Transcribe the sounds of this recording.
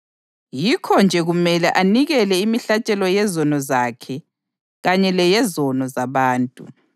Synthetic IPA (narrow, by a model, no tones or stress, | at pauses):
jikʰɔnd͡ʒʱɛɣumɛlɛʔaniɣɛlɛimiɬat͡ʃʼɛlɔjɛzɔnɔzakʰɛ | ɣaɲɛlɛjɛzɔnɔzaβaːntʼṵ